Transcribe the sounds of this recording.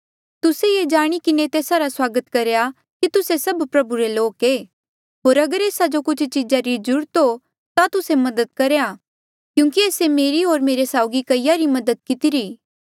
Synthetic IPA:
t̪ʊsejeːd͡ʒaːɽ̃ikɪnet̪eːsaɾaswaːɡət̪kɐɾeja | kit̪ʊsesɐbpɾɐbuɾeloːkeː | ɦoːɾɐɡəɾeːsad͡ʒokʊt͡ʃʰt͡ʃid͡ʒaɾid͡ʒʊɽt̪o | t̪at̪ʊsemɐd̪ət̪̚kɐɾeja | kjũːŋkieːsemeːɾiɦoːɾmeːɾesaːʊɡikɐɪjaɾimɐd̪ət̪̚kɪt̪ɪɾiː

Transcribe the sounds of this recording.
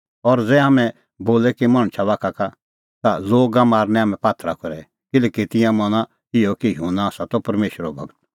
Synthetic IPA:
ɔɾd͡zɛɦamɛ̃ | boːlɛkimaːɽ̃t͡ʃʰaʋaːkʰaka | t̪aloːɡamaːɾnɛ̃ɦaːmɛ̃paːt̪ʰɾakɔɾɛ | kɪlɛːkit̪ɪ̃jãmɔña | ɪjɔkijuːnaːsat̪ɔpɐɾmeːʃɾɔbʱɐ̰ɡət̪

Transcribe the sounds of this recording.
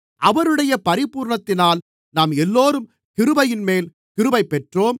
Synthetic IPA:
ʔɐʋɐɾɯɽɐjɐpɐɾɪpuːɾɳɐt̪ːɪnaːl | naːmɛlːoːɾɯm | kɪɾɯbɐjɪnmeːl | kɪɾɯʋɐɪpːɛʈroːm

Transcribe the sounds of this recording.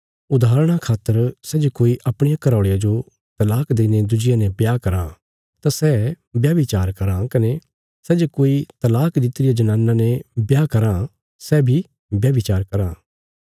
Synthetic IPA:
ʊd̪aːɾɽ̃akʰaːt̪ːəɾsɛd͡ʒokoːiʔɐpɽ̃ɪjakɐɾaːɽejad͡ʒo | t̪ɐlaːkd̪eːned̪ʊd͡ʒɪjanebjaːkɐɾã | t̪asɛ | bjaːʋit͡ʃaːɾkɐɾãkɐne | sɛd͡ʒokoːit̪ɐlaːkd̪ɪt̪ɾɪjad͡ʒɐnãːnːãnebjaːkɐɾã | sɛbʱi | bjaːʋɪt͡ʃaːɾkɐɾãː

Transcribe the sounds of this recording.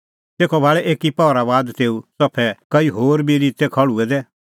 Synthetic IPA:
t̪eːkʰɔbʱaːɭɛʔeːkipɔːɾaʋaːd̪t̪eːusɐpʰːɛkɐiɦoːɾbiɾiːt̪ɛkʰɐɭuɛd̪ɛː

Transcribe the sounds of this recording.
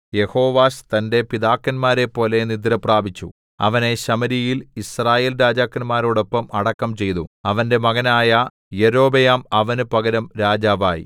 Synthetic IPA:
je̞ho̞ːʋaːɕt̪ɐnde̞piðaːkːɐnmaːɾe̞pːo̞ːle̞nid̪ɾɐpraːbʱit͡ɕːṵ | ɐ̰ʋɐne̞ɕɐmɐɾijilisraːjeːlɾaːd͡ʑaːkːɐnmaːɾo̞ːɽo̞pːɐmɐɽɐkːɐmt͡ɕe̞jt̪uɐʋɐnde̞mɐɣɐnaːjɐ | jeɾo̞ːbejaːmɐʋɐnupɐɡɐɾɐmɾaːd͡ʑaːʋaːjḭ

